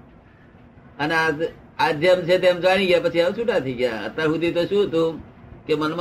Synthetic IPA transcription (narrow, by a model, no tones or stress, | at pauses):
əna | ad͡ʒemt͡ʃʰet̪emd͡ʒaɽ̃ĩɡjapət͡ʃʰiamt͡ʃʰuʈat̪ʰiɡja̰ə̰t̪ːəɾɦud̪it̪osut̪ukemənm